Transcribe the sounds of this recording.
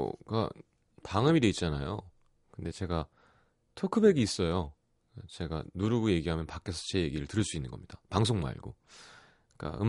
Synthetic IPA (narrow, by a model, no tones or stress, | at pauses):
ka̰ | paŋɯmidwe̞itt͡ɕ͈anajo̰ | kɯnde̞t͡ɕe̞ɡa | tʰokʰɯbe̞ɡiːs͈ʌjo | t͡ɕe̞ɡa̰nuɾɯɡoje̞ɡiɦamjʌnpakʰe̞sʰʌt͡ɕe̞je̞ɡiɾɯɭtɯɾɯɭs͈uinːɯnɡʌ̰mɲid̥apaŋsʰoŋma̰ḭɭɡo | k͈a̰ɯ̰